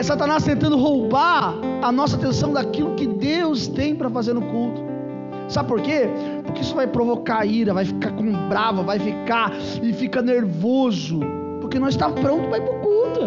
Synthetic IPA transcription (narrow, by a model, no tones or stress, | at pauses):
sat̪anast̪ẽnt̪ɐ̃nd̪ʊɦowbaɾɐnɔs̬ɐat̪ẽsɐ̃w̃d̪akilʊkɪd̪ewst̪ẽj̃pɾɐfazeɾnʊkult̪ʊ̥ | sabɪpoɾke | pʊɾkɪisʊvajpɾovokaiɾɐvajfi̥kakõbɾavɐvajfika | ɪfikɐneɾvozʊ | poɾkenɔ̃zɪst̪apɾõnt̪ʊpɾaipɾʊkult̪ʊ